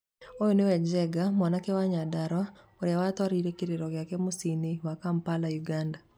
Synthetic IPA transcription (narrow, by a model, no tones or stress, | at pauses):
ojonewɛd͡ʒɛɡamwɔnakɛwaɲadaɾwa | oɾjawat̪waɾiɾekiɾeɾɔɡɪakɛmʊsiniwakampalajuɡanda